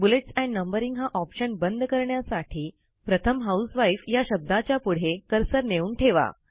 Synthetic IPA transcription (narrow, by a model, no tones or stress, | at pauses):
buleʈsɛ̃ɳɖnəmbəɾiŋɡɦaʔɔpɕənbənd̪kəɾɳjasaʈʰiː | pɾət̪ʰəmɦausʋajfjaɕəb̚d̪at͡ɕjapuɽ̤ekəɾsəɾneuːɳʈʰeʋa̰